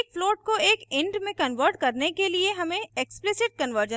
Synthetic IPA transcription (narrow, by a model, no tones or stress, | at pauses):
kfloːʈ̚koeːkɪ̃ɳɖmẽkɐ̃nʋəɾʈ̚kɐɾnekelieɦɐmẽeksplɪsɪʈ̚kɐnʋəɾd͡ʒə̃